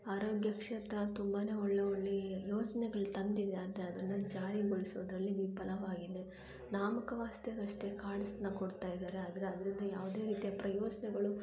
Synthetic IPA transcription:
aːɾoːɡjɐkʂɐt̪ɐt̪umbaːne̞ːɔɭːeoɭːijoːd͡ʒɐnɛɡɐɭut̪ɐnd̪id̪eɐnd̪eɐd̪ɐnːɐd͡ʒaːɾiɡoɭisuʋd̪ɾɐlːiʋipɐlɐʋaːɡid̪e | naːmɐkɐʋaːst̪ɐɡɐʂʈe̞kaːɽist̪nɐkoɽt̪aːjid̪aːɾeɐd̪ɐɾeɐd̪ɐɾind̪ɐjaːʋud̪e̞ːɾiːt̪ijɐpɾɐjɔːd͡ʒɐnɛɡɐɭu

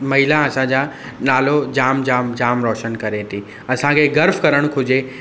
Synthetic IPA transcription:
mɐɦɪlaɐsãd͡ʑaː | naːlod͡ʑaːmd͡ʑaːmd͡ʑaːmɾɔːʃənkɐɾet̪ʰi | ɐsãkʰeɡɐɾfkɐɾəɽ̃kʰʊd͡ʑe

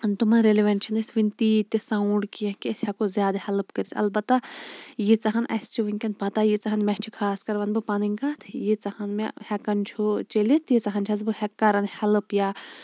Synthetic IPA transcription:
nt̪umɐnɾeliʋɐnt͡ʃʰɐnɨsʋint̪iːt̪ʲːisauɳɖkijɐ̃kiɐsʲhɐkozʲjaːd̪ahɐlɨpkəɾit̪ʰɐ̰lbɐt̪ːajit͡sɐɦɐnʔɐ̰st͡ʃʰuʋiŋkʲɐnpɐt̪ajit͡sɐɦɐnmɐt͡ʃʰikʰaːskɐɾʋɐnbɨpɐnɨŋʲkaːt̪ʰjit͡sɐhɐnmḛhɛkɐnt͡ʃʰut͡ʃelit̪ʰjit͡sɐɦɐnt͡ʃʰɐzbɨhɛkːaɾɐnhɐlɨpjaː

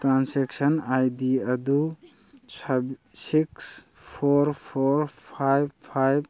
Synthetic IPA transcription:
tɾansɛksɐnajd̪iɐd̪u | siks | pʰɔɾpʰɔɾpʰajbpʰajb

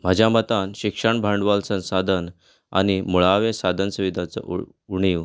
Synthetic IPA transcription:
m̤ad͡ʑʱjamət̪anɕikʂəɳbʱãɳɖʋalsə̃nsad̪ʱən | a̰ñimuɭaʋesad̪ʱənsuʋid̪ʱat͡sə̰ʔ | uɳiːʋ

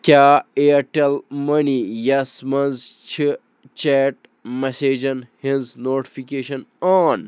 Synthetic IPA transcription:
kʲaːeɐʈelmɐnijɐsmɐnzt͡ʃʰi | t͡ʃeːʈ̚ | meseːd͡ʑɐnhĩnznoːʈi̥fikeːʃɐnaːn

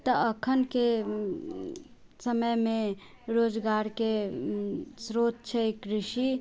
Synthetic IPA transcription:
t̪əəkʰənke | səməjmẽ | ɾoːd͡ʒɡaɾke | sɾot̪t͡ʃʰəekɾɪʃi

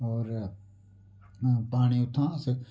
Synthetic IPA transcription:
oːɾ | paːɳiʊt̪ʰːãːsə

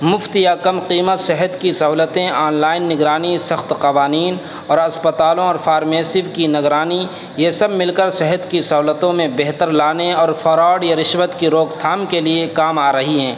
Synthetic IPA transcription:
mʊft̪jakɐmqiːmət̪sɛɦət̪kisɐɦuːlət̪ẽaːnlaːɪnːɪɡɾaːnisɐxt̪qɐʋaːniːn | ɔːɾɐspət̪aːlõɔːɾfaːɾmeːsɪʋkinɐɡɾaːni | jesɐbmɪlkəɾsɛɦət̪kisɐɦuːlət̪õmẽbɛɦt̪əɾlaːneɔːɾfʰɐɾaːɽjaɾɪʃʋət̪kiɾoːkt̪ʰaːmkeliekaːmaːɾɐɦiɦɛ̃ː

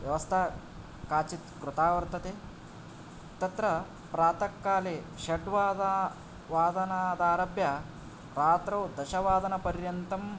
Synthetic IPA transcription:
ʋjɐʋɐst̪ʰaː | kaːt͡ʃit̪kɾut̪aːʋɐɾt̪ɐt̪eː | t̪ɐt̪ɾɐ | pɾaːt̪ɐkːaːleː | ʃɐɖʋaːd̪a | ʋaːd̪ɐnaːd̪aːɾɐbjɐ | ɾaːt̪ɾɐwd̪ɐʃɐʋaːd̪ɐnɐpɐɾjɐnt̪ɐm

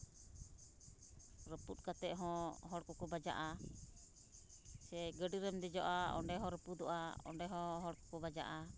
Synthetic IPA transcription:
ɾəput̪̚kat̪ɛʔɦɔ̃ɦɔɽkɔkɔbad͡ʒa̰ʔa | sɛɡəɖiɾəmd̪ɛd͡ʒɔʔaɔ̰ɳɖɛɦɔ̃ɾəpud̪ɔʔaɔ̰ɳɖɛɦɔ̃ɦɔɽkɔ̥kɔbad͡ʒa̰ʔa

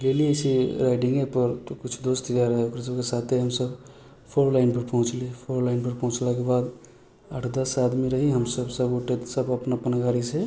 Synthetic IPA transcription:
leliəsiɾaɪɖɪ̃ŋɡɛpəɾt̪okʊt͡ʃʰd̪oːst̪ʰid͡ʒaɾəɦɛokɾes̬əbkesat̪ʰeɦəmsəb | pʰoɾlaɪnpəɾpɔɦʊ̃t͡ʃlipʰoɾlaɪnpəɾpɔ̃ɦʊ̃t͡ʃlakebaːd̪ | əʈʰd̪əsad̪miɾəɦiɦəmsəbsəboʈet̪səbəpnapənəɡaɾise

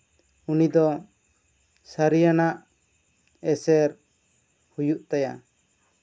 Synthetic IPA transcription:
unid̪ɔ | saɾijanaʔ | ɛsɛɾ | hujuʔt̪aja̰

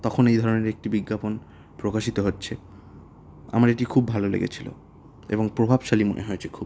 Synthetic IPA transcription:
t̪ɔkʰonejd̪ʱɔɾoneɾek̚ʈibiɡːapon | pɾokaʃit̪oɦotːɕʰe | a̰maɾeʈikʰubbʱalolḛɡḛt͡ɕʰilo̰ | ḛboŋpɾobʱabʃalimonʔḛɦoet͡ɕʰe̥kʰub

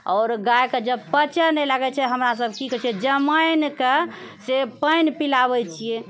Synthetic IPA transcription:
ɔːɾɡajked͡ʒəbpət͡ʃənɛlaɡɛt͡ʃʰɛɦəmɾas̬əbʱkikət͡ʃʰiɛd͡ʒəmajnkesepəjnpilabɛt͡ʃʰije

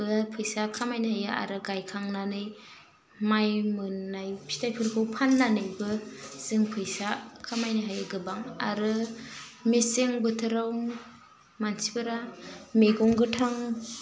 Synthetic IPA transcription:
bɯpʰɯjsakʰamajnahajaʔa̰ɾɯɡajkʰaŋnanɯj | majmɯnːajpʰi̥tʰajpʰɯɾkʰɯwpʰanːanɯjbɯz̥ɯŋpʰɯjsakʰamajnɯɦajɯɡɯbaŋa̰ɾɯ | meseŋbɯtʰɯɾaw | mansibɯɾameɡɔŋɡɯtʰaŋ

